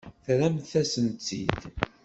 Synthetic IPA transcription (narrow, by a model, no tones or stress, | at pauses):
θɾæmθæsənt͡sːḭd̪